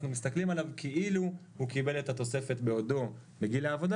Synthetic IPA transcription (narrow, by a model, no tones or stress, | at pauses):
numist̪aklimalavkʰeʔilu | hukibe̞let̪at̪o̞se̞fe̞tbe̞o̞do̞ | meɡilaːvo̞da